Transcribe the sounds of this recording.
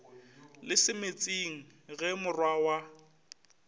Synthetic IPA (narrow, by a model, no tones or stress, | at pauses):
lɪsɪmet͡sʼiŋ̩ɣɛmʊrwawa